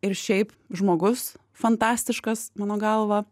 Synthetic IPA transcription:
ɪɾʃʲɛɪp | ʒmoːɡʊs | fɐnt̪ɑːsʲt̪ʲɪʃkɐsmɑːnoːɡɐlˠʋɐ

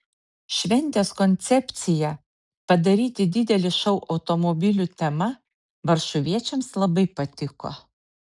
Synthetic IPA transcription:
ʃʲʋʲɛnʲt̪ʲeːskɔnʲt̪sʲɛpʲt̪sʲɪjɛ | pɐd̪ɐɾʲiːt̪ʲɪd̪ʲɪd̪ʲɛlʲɪʃɐʊʔɒʊt̪ɔmɔbʲɪlʲut̪ʲɛmɐ | ʋɐɾʃʊʋʲiɛt͡ʃʲɛmslˠɐbɐɪpɐt̪ʲɪko̰ː

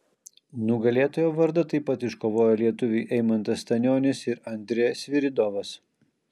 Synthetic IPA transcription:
nʊɡɐlʲeːt̪oːjoːʋɐɾd̪ɐt̪ɐɪpːɐt̪ɪʃkoːʋoːjoːlʲiɛt̪ʊʋʲɪɪʔɛɪmɐnt̪ɐst̪ɐnʲoːnʲɪsɪɾɐnʲd̪ʲɾʲeːjɛsʲʋʲɪɾʲɪd̪ɔʋɐs

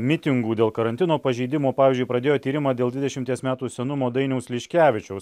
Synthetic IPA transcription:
mʲɪt̪ʲɪŋɡuːd̪ʲeːlˠkɐɾɐnt̪ʲɪnoːpɐʒʲɛɪd̪ʲɪmoːpɑːʋʲːzʲd͡ʒʊɪpɾɐd̪ʲeːjoːt̪ʲiːɾʲɪmɑːd̪ʲeːlˠd̪ʋʲɪd̪ʲɛʃʲɪmt̪ʲiɛsmʲæːt̪uːsʲɛnʊmoːd̪ɐɪnʲɛʊslʲɪʃʲkʲæːʋʲɪt͡ʃʲɛʊs

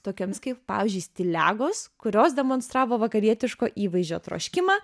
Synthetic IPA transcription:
t̪oːkʲoːmʲskɐɪppɑ̰ːʋʲɪːzʲd͡ʒʲʊɪsʲt̪ʲɪlʲæ̰ːɡoːskʊɾʲoːsd̪ʲɛmoːnst̪ɾɑːʋoːʋɐkɐɾʲiɛt̪ʲɪʃkoːʔiːʋɐɪzʲd͡ʒʲoːt̪ɾo̰ːʃʲkʲɪmɑː

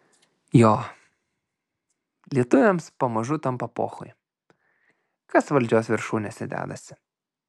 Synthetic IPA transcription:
joː | lʲiɛt̪ʊʋʲɛmspɐmɐʒʊt̪ɐmpɐpo̰ːxʊ̰j | kɐsʋɐlʲd͡ʒʲoːsʋʲɪɾʃuːnʲɛsʲɪd̪ʲæ̰ːd̪ɐsʲɪ̥

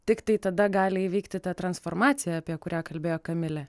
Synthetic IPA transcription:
t̪ʲɪkt̪ɐɪt̪ɐd̪ɐɡɑːlʲɪɪʋʲiɪkt̪ʲɪt̪ɐt̪ɾɐnsfoːɾmɑːt̪sʲɪjɛɐpʲiɛkʊɾʲæːkɐlʲbʲeːjoːkɐmʲɪlʲɛ

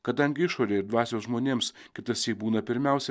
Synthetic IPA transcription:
kɐd̪ɐŋʲɡʲɪɪʃoːɾʲeːɪɾd̪ʋɑːsʲoːsʒmoːnʲeːmskʲɪt̪ɐsʲjʲiːbuːnɐpʲɪɾʲmʲæˑʊsʲɛ

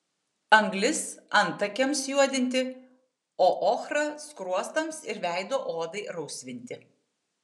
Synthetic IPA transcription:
ɐŋɡlʲɪsɐnt̪ɐkʲɛmsjuɔd̪ʲɪnʲt̪ʲɪ | oːʔoːxɾɐskɾuɔst̪ɐmsɪɾʋʲæˑɪd̪oːʔoːd̪ɐɪɾɐʊsʲʋʲɪnʲt̪ʲɪ

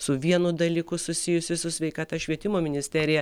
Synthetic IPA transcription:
sʊʋʲiɛnʊd̪ɐlʲikʊsʊsʲɪjʊsʲɪsʊsʲʋʲɛɪkɑːt̪ɐʃʲʋʲiɛt̪ʲɪmoːmʲɪnʲɪsʲt̪ʲæɾʲɪjɛ

